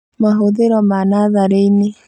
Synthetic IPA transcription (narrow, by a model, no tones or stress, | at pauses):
maɦoðeɾɔmanaðaɾeine